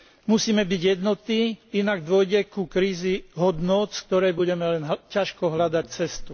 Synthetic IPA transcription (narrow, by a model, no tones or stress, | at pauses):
musiːmɛbiɟjɛd̪nɔt̪iːinaɡd̪ʊɔjɟɛkukɾiːziɦɔd̪nɔt̪sk̚t̪ɔɾɛjbuɟɛmɛlɛnɦcaʃkɔɦlad̪act͡sɛst̪u